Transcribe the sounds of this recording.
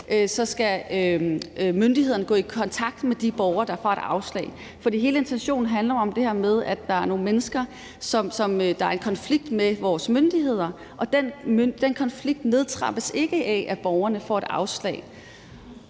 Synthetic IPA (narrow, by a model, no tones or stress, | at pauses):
ʔøsɒ̽sɡ̥æømønd̥ihe̝ð̰ˠɐnəɡ̥ɔ̰̽ːikʰɒ̽nt͡sʰɑ̈ɡ̥̚d̥med̥ib̥ɒʊɐd̥ɑ̈fɒ̰ːe̝ɾ̥ɑ̈ʊslɛ̰ːɪ | fɒd̥ḭːɦe̝ːləe̝nt͡sʰenɕo̝̰ːnn̩ɦænlɐɒ̽md̥e̝hæɐmeð̞ˠæ̥ːɑ̈æɐno̝ːn̩menəsɡ̥ɐ | sɒ̽msɒ̽md̥ɑ̈æɐe̝nkʰɒ̽nfliɡ̥̚d̥meʋɒːsmønd̥ihe̝ð̞̰ˠɐ | ʔɒ̽d̥enmød̥enkʰɒ̽nfliɡ̥̚d̥ne̝ð̞ˠt͡sʰʁɑ̈b̥əse̝ɡ̥əʔɛʔæb̥ɒʊɐnəfɒ̰ːe̝ɾ̥ɑ̈ʊslɛ̰ːɪ